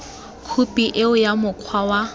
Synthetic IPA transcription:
kʰupʼiʔɪʊjamʊkʰwawa

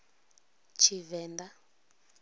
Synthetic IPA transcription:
t͡ʃʰivɛːnda

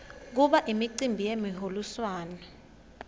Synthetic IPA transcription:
k̬uɓaʔimiǀimbʱijemiɦoluswaːnɔ

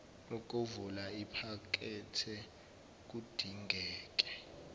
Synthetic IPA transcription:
lɔk̬ʼovulaipʰak̬ʼɛtʰɛ | k̬ud̥ʱiŋɡʱɛːk̬ʼɛ̥

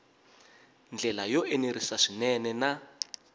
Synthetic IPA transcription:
nd͡ɮɛlajɔʔeneɾisaʂinɛnɛna

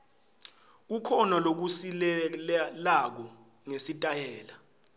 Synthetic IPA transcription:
k̬ukʰɔnalok̬usilɛlak̬ɔ | ŋesitʼajɛːla

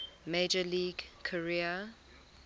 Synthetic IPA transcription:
med͡ʒəliːɡkʰəɹiə

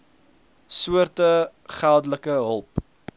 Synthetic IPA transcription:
suərtə | χælˠdələkəɦəlˠp

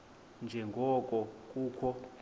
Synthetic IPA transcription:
nd͡ʒʱɛŋɡʱɔkʼɔk̬ʼuːkʰɔ

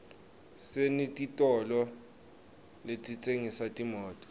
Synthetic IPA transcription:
senitʼitʼɔlɔ | let͡sʼit͡sʼeŋisatʼimɔːtʼɔ̥

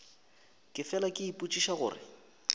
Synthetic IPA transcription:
kʼɪfɛlakʼɪipʼut͡ʃʼiʃaɣʊ̰ːrɪ̰

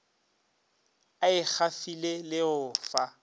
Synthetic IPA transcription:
aɪk͡xʰafilelɪʊfa

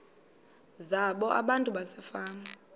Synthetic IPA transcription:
zaɓɔʔa̰ɓantʼuɓasɛfaːma

